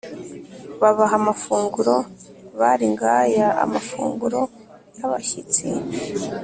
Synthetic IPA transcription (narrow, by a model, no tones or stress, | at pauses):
βaβaɦamafuːŋɡuɾo̞ | βaɾiŋɡajaa̰mafṵːŋɡuɾo̞ | jaβaçit͡sḭ